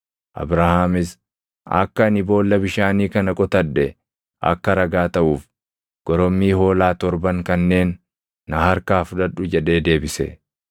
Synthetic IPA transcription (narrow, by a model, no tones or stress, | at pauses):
ʔɐ̰bɾahaːmɪs | ɐ̰kːɐnɪbo̞ːlːɐbɪʃaːniːkɐnɐkʼɔt̪ɐd̪ːɛ | ʔɐ̰kːɐɾɐɡaːt̪ɐʔuːf | ɡ̥ɔɾɔmːiːho̞ːlaːt̪ɔɾbɐŋkɐnːe̞ːnː | ɐhɐɾkaːfʊᶑ̪ɐᶑʊd͡ʒɛᶑe̞ːd̪e̞ːbɪsɛ̰